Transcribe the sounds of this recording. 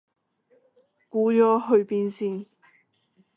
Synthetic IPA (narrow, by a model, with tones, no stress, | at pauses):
kuː˨˥jɔː˨˧ɦɵ˧ɥpiː˧nsiː˧n